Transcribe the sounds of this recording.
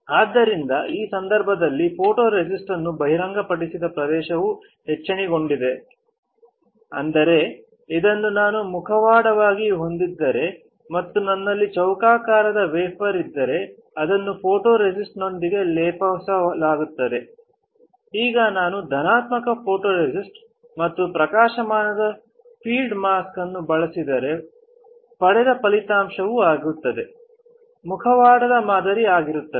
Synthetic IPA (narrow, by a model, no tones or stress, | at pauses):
aːd̪ːɐɾind̪ɐʔiːsɐnd̪ɐɾbʱɐd̪ɐlːipʰoːʈo̞ːɾed͡ʒisʈɐnːubɐɦiɾɐŋɡɐpɐɽisid̪ɐpɾɐd̪ɛːʃɐʋu | ɦɛt͡ʃːɐɳiɡo̞ɳɖid̪e̞ | ɐ̰nd̪ɐɾe̞ | id̪ɐnːunaːnumukʰɐʋaːɽɐʋaːɡiɦo̞nd̪id̪ːɐɾe̞ | mɐt̪ːunɐnːɐlːit͡ʃɐwkaːkaːɾɐd̪ɐʋeːpʰɐɾid̪ːɐɾe̞ | ɐd̪ɐnːupʰoːʈoːɾed͡ʒisʈno̞nd̪iɡe̞lɛːpɐʋsɐlaːɡut̪ːɐd̪e̞ | iːɡɐnaːnud̪ʱɐnaːt̪mɐkɐpʰo̞ːʈo̞ːɾed͡ʒisʈ | mɐt̪ːupɾɐkaːʃɐmaːnɐd̪ɐ | pʰiːlɖmaːskɐnːubɐɭɐsid̪ɐɾe̞ | pɐɽɛd̪ɐpɐlit̪aːmʃɐʋuaːɡut̪ːɐd̪e̞ | mukʰɐʋaːɽɐd̪ɐmaːd̪ɐɾiaːɡiɾut̪ːɐ